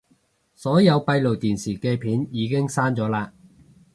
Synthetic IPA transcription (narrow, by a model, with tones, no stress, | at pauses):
sɔː˨˥jɐ˨˧wpɐ˧jlo˨˩wt̪iː˨˩nsiː˨˩kɛː˧pʰiː˨˥njiː˨˧kɪ˥ŋsaː˥nt͡sɔː˨˥laː˧